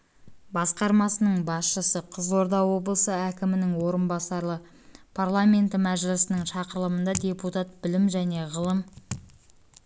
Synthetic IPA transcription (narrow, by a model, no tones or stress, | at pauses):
bɑsqɑɾmɑsənəɴbɑsʃəsəqʰəzʁoɾd̪ɑwo̞blˠəsəækʲɪmɪnɪŋwo̞ɾənbɑsɑɾlˠə | pʰarlˠamʲe̞nt̪əmæʒɪlɪsɪnəŋʃɑqəɾəlˠəmənd̪ɑd̪ʲe̞put̪at̪̚bɪlɪmʒæne̞ʁəlˠəm